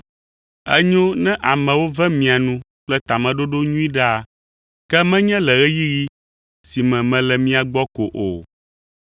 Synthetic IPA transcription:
ɛ̰˦ɲõ˦nɛ̃˦ʔa˨mɛ̃˨wo˦vɛ˦mĩ˨a˨nũ˦ | k͡plɛ˦t̪a˨mɛ̃˨ɖo˦ɖo˦ɲũ˦i˦ɖa˦˨ | kɛ˦mɛ̃˦ɲɛ̃˦lɛ˨ɣɛ˦ji˦ɣi˦ | si˨mɛ̃˨mɛ̃˨lɛ˨mĩ˦a˨ɡ͡bɔ˦ko˨ʔo˨

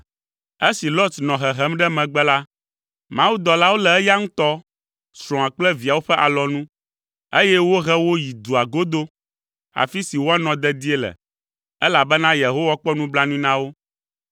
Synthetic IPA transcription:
e˦si˨lo˦t̪nɔ̃˨ɦɛ˨ɦɛ˦mɖɛ˦mɛ̃˨ɡ͡bɛ˦la˦ | mã˦wu˦d̪ɔ˨la˦wo˦lɛ˨ɛ˦ja˦ŋũ˦t̪ɔ˦ | sɾɔ̃˨ã˨k͡plɛ˦vi˨a˨wo˦ɸɛ˦ʔa˨lɔ˨nũ˦ | e˦jɛ˦wo˦ɦɛ˦wo˦ji˨d̪u˨a˨ɡo˦d̪o˦ | a̰˨fi˦si˨wo˦a˦nɔ̃˨d̪ɛ˦˨d̪i˦e˦lɛ̰˨ | ɛ˦la˨bɛ˦nã˦je˨ɦo˦wa˦k͡pɔ˦nũ˦bla˦nũ˦nã˦wo˦

